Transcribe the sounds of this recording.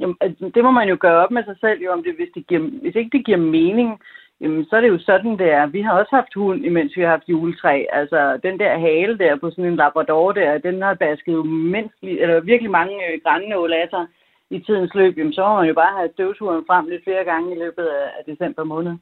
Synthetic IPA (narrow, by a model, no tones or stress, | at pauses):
jæmæd̥e̝mɒ̽mænjo̝ɡ̥ɶːɐɒ̽b̥̚mesɑ̈ɪsel̰jo̝ɒ̽md̥e̝ʋe̝sd̥eɡ̥iɐ̰ʋe̝se̝ɡ̥əd̥eɡ̥iɐ̰meːne̝ŋ | jæmnsɒ̽æɐɾe̝jo̝sɒ̽d̥n̩d̥e̝æɐʋiɦɑ̈ɒ̽shɑ̈fd̥hun̰imen̰sʋihɑ̈hɑ̈fd̥juːlət͡sʰʁɛ̰ːælsɒd̥end̥æɐɦɛːləd̥æɐ̰pʰɒ̽sɔ̽ne̝nlɑ̈b̥ʁɑd̥ɒːd̥æɐ̰d̥enhɑ̈b̥æsɡ̥ð̞̩ˠjomen̰sd̥liʔelɐʋiɐɡ̥əlimɑ̈ŋəɡ̥ʁɑnənolæsɐ | it͡sʰið̞̰ˠn̩slø̰ːb̥jæm̩sɒ̽mɒmænjo̝b̥ɑ̈ːhæsd̥øʊt͡sʰuɐnfʁɑm̰le̝d̥fle̝ːɐɡ̥ɑ̈ŋəilø̰ːb̥ð̞̩ˠææd̥e̝sem̰b̥ɐmɔ̽ːnð̞̩ˠ